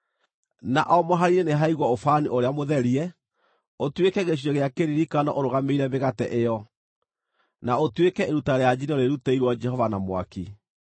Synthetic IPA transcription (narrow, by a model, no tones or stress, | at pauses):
na̰ʔɔmɔɦaɾiɾeneɦaiɣwɔofaniʔoɾeamoðɛɾiɛ | otwekɛɣeɕ̬iɔɣeakeɾiɾikanɔ̰ʔoɾoɣameiɾɛbeɣatɛ̰ʔejɔ | naotwekɛʔeɾutaɾejad͡ʑinɔɾeɾutaiɾwɔd͡ʒɛhɔvanamwa̰ki